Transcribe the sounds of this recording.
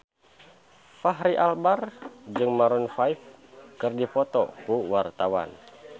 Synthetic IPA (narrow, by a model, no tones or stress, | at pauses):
faɦɾiʔalbard͡ʒɨŋmaɾunfaifkɨrdifɔt̪ɔ̰kuwart̪awa̰n